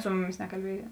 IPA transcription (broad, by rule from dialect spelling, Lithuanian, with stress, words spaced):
ˈsʊ mʊˌmʲɪs nʲɛkɐlʲˈbʲeːjɛ